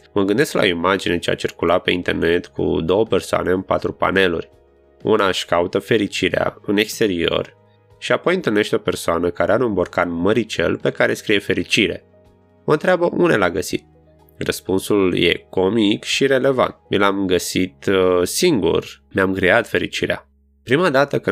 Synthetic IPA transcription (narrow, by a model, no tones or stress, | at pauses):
məɡɨnd̪e̞sklʔa̰oimad͡ʒinet͡ʃea̰t͡ʃirkulat̪̚pe̞int̪e̞rne̞t̪kʰṵd̪o̞wəpe̞rsoa̰ne̞ɨnpa̰t̪ɾupa̰ne̞lṵrʲ | ṵnaʃkaut̪əfe̞ɾit͡ʃiɾea̰ɨne̞kst̪e̞ɾio̞̰r | ʃiapo̞jɨnt̪ɨlne̞ʃt̪ʲo̞pe̞rsoanəkaɾeaɾɨmborkanməɾit͡ʃe̞̰lpe̞kaɾeskɾije̞fe̞ɾit͡ʃiɾe̞̰ | mont̪ɾeabəʔune̞laɡəsḭt̪̚ | rəspunsulje̞̰ko̞mikʃiɾe̞le̞va̰nt̪milamɡəsit̪siŋɡṵrnʲamkɾiat̪fe̞ɾḭt͡ʃiɾea̰ | pɾimad̪at̪əkɨ